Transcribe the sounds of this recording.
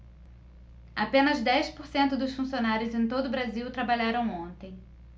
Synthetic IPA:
apẽnɐzd̪ɛjspoɾsẽnt̪ʊd̪ʊsfũsionaɾjʊzẽj̃t̪od̪ʊbɾaziwt̪ɾabaʎaɾɐ̃w̃õnt̪ẽj̃

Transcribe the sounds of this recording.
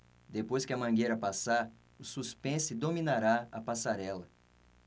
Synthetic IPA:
d̪epojskɪɐmɐ̃ɡejɾɐpasaɾ | ʊsuspẽsɪd̪omĩnaɾaɐpasaɾɛlɐ

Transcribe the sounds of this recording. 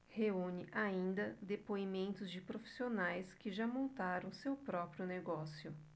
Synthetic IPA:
heũɲɪʔaĩnd̪ɐd̪epoimẽnt̪ʊzd͡ʒɪpɾofi̥sionajskɪʒamõnt̪aɾɐ̃w̃sewpɾɔpɾjʊneɡɔsjʊ

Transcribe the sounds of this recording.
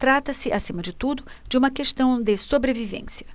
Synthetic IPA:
t̪ɾat̪ɐsɪʔasĩmɐd͡ʒɪt̪ud̪ʊd͡ʒɪũmɐkeʃt̪ɐ̃w̃d̪ɪsobɾevivḛ̃siɐ

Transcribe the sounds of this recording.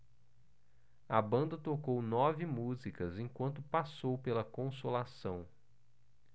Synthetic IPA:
ɐbɐ̃nd̪ɐt̪okownɔvɪmuzikɐzẽkwɐ̃nt̪ʊpasowpelɐkõsolasɐ̃w̃

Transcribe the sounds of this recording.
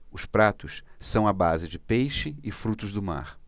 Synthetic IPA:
ʊspɾat̪ʊssɐ̃w̃ɐbazɪd͡ʒɪpejʃɪɪfɾut̪ʊzd̪ʊma̰ɾ

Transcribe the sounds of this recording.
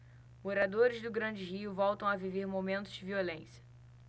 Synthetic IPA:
moɾad̪oɾɪzd̪ʊɡɾɐ̃d͡ʒɪɦiʊvɔwt̪ɐ̃w̃aviveɾmomẽnt̪ʊzd͡ʒɪviolẽsiɐ̥

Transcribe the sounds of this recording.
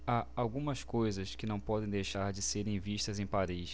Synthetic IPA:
aawɡũmɐskojzɐskɪnɐ̃w̃pɔd̪ẽj̃d̪ejʃaɾd͡ʒɪseɾẽj̃viʃt̪ɐzẽj̃paɾiʃ

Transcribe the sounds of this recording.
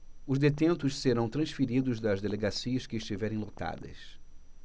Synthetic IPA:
ʊzd̪et̪ẽnt̪ʊʃseɾɐ̃w̃t̪ɾɐ̃ʃfiɾid̪ʊzd̪ɐzd̪eleɡasiɐʃkɪːʃt͡ʃivɛɾẽj̃lot̪a̰d̪ɐ̰s

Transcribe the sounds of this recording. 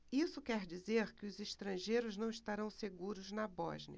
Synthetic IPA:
isʊkɛɾd͡ʒizeɾkɪʊzeʃt̪ɾɐ̃ʒejɾʊznɐ̃w̃iʃt̪aɾɐ̃w̃seɡuɾʊznɐbɔ̰ʒniɐ

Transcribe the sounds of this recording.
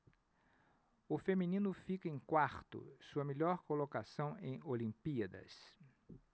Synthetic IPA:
ʊfemĩnĩnʊfikɐẽj̃kwaɾt̪ʊ̰suɐmeʎɔɾkolokasɐ̃w̃ḛ̃j̃olĩmpiɐd̪ɐ̰s

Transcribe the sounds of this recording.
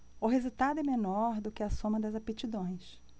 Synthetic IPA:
ʊɦezut̪ad̪ʊɛmenɔɾd̪ʊkɪɐsõmɐd̪ɐzapet͡ʃid̪õj̃s

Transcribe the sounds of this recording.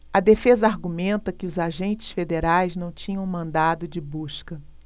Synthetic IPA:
ɐd̪efezɐaɾɡumẽnt̪ɐkɪʊzaʒẽnt͡ʃɪ̥sfed̪eɾajznɐ̃w̃t͡ʃĩɲɐ̃w̃mɐ̃nd̪ad̪ʊd͡ʒɪbuʃkɐ

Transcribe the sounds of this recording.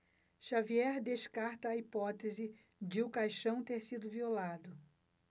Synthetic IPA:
ʃaviɛɾd̪eʃkaɾt̪ɐːipɔt̪ezɪ | d͡ʒɪʊkajʃɐ̃w̃t̪eɾsid̪ʊviolad̪ʊ

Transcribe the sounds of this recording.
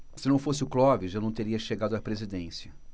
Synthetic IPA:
sɪnɐ̃w̃fosɪʊklɔvɪʒewnɐ̃w̃t̪eɾiɐʃeɡad̪ʊapɾezid̪ẽsiɐ

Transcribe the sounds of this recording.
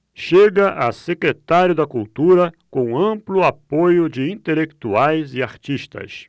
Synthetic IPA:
ʃeɡɐʔɐsekɾet̪aɾjʊd̪ɐkult̪uɾɐkõɐ̃plʊapojʊd͡ʒɪĩnt̪elekt̪uajzɪaɾt͡ʃiʃt̪ɐ̰s

